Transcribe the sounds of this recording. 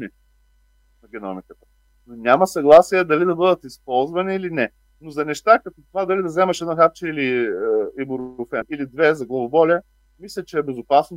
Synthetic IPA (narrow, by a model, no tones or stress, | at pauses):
ni | nɐɡʲɛnɔ̰mikət̪ə̥ | nonʲamɐsɐɡlˠasiɛd̪ɐlid̪ɐbɤd̪ət̪ispɔlˠzvɐniːlinɛ | nozɐnɛʃt̪akɐt̪ɔt̪ʊvad̪ɐlid̪ɐzɛmɐʃɛd̪nɔxap̚t͡ʃɛiliəibuɾʊfɛnilid̪vɛzɐɡlˠɐvʊbɔlʲə | mislʲɐt͡ʃɛːbɛzʊpasno